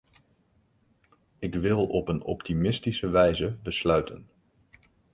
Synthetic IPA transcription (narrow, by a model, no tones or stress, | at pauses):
ɪkʋɪlˠɔpənɔ̰ptimɪstisəʋɛjzəbəslœɥtən